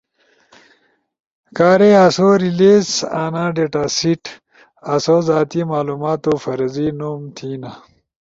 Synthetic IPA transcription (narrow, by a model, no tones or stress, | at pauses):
kaːɾeɐsoɾileːzaːnãːɖeːʈasiʈ | ɐsozaːt̪imaːluːmaːt̪ofɐɾzinumt̪ʰiːna